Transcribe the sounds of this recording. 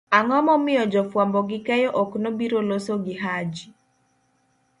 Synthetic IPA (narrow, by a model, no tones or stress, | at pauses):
aŋɔmɔmɪjɔd͡ʒɔfwambɔɡɪkɛjɔʔɔknobiɾolosoɡɪɦad͡ʒi